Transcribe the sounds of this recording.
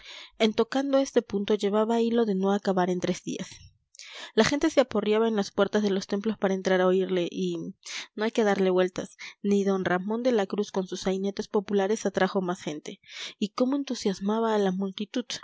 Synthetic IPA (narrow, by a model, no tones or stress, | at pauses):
e̞nt̪o̞kand̪o̞e̞st̪e̞punt̪o̞ʝe̞β̞aβailo̞ðe̞no̞akaβaɾe̞nt̪ɾe̞zðḭas | laxe̞nt̪e̞seaporjaβaenlaspwe̞ɾt̪azðe̞lost̪e̞mplo̞spaɾae̞nt̪ɾaɾao̞iɾle̞ʔino̞ajke̞ðaɾle̞βwe̞lt̪asniðo̞nramo̞nd̪e̞lakɾusko̞nsusajne̞t̪e̞spo̞pulaɾe̞sat̪ɾaxo̞masxe̞nt̪e̞iko̞mo̞e̞nt̪usjazmaβaːlamult̪it̪uð